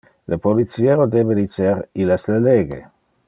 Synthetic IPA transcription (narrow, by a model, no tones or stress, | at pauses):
lepolit͡sieɾod̪eːbed̪it͡seɾilɛsleleːɡḛ